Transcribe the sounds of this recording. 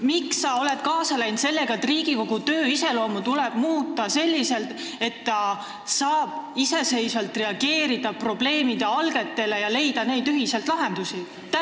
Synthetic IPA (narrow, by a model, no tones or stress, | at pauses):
miksːɑo̞le̞t̪kɑːsɑlæjnt̪se̞lːe̞ɡ̥ɑe̞t̪ːriːɡiko̞ɡ̥ut̪ø̞ːise̞lo̞ːmut̪ulɛb̥muːt̪ːˑɑse̞lʲːise̞lt̪ | e̞t̪ːɑ | sɑːb̥ise̞se̞jsvɑlt̪re̞ɑɡe̞ːɾid̪̥ɑpro̞ble̞ːmid̪eɑlɡe̞t̪ːe̞le̞jɑle̞jd̪̥ɑne̞jd̪yɦise̞lt̪lɑɦend̪̥usi | t̪